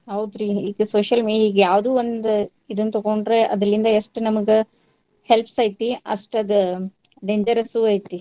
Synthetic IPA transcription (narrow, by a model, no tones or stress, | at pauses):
ɦɐwd̪ɾiːiːɡɐsoːʃɐlmiiiːɡɐjaːʋd̪uːʋond̪u | id̪ɐnːt̪ɐɡoɳɖɾeʔɐd̪ɾɐlind̪ɐeʂʈnɐmɐɡe | helpsɐːjt̪iɐ̰ʂʈɐd̪u | ɖeːɲd͡ʒɐɾɐsuɐjt̪ːi